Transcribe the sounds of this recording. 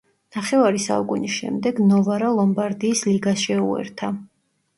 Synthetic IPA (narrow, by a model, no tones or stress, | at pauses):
naχɛvaɾisa̰ukʼunisʃɛ̰md̪ɛɡnɔvaɾalˠɔmbaɾd̪iːsliɡasʃɛuɛ̰ɾt̪ʰa